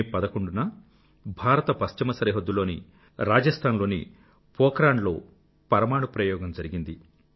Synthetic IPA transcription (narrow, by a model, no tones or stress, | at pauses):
pɐd̪ɐkoɳɖunɐ | bʱaːɾɐt̪ɐpɐst͡ʃɐmɐsɐɾɐɦɐd̪ːulo̞ːni | ɾaːd͡ʒɐst̪ʰaːnlo̞ːnḭ | pɔːkɾaːɳlo̞̰ː | pɐɾɐmaːɽupɾɐjɔːɡɐmd͡ʒɐɾiɡind̪i